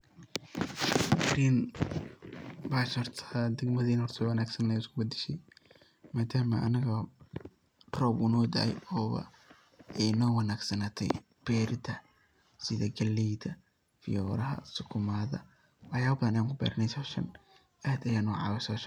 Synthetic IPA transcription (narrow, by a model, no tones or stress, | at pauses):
ɡɾiːn | baːʃɔrt̪ʰɐd̪ɐɡmɐðiːnhɔrt̪ʰɔwɐnaːɡsɐnɛjʊskʰʊbɐd̪ɪʃɛj | maːd̪aːmɐʔɐ̰nɐɣɐ | rɔbʊnɔːd̪ɐ̰ɛ̰jɔːβɐ̰ | ɛjnɔːwɑnaːɡsɐnaːt̪ʰɛ̰j | b̥ɛːɾɪd̪ʰɐ | sɪðɐɡɐlijd̪ɐ | fɪ̰jɔːɾɐɦɐ̰sʊkʰʊmaːðɐ̰ | wɑħjaːbɐðɐnɐjaːŋkʰʊbɛ̰ːɾɐnɛjsɔːʃɐ̰n | ʔaːd̪ɐjaːnʊʕɑ̰ːwɛsɔːʃɐn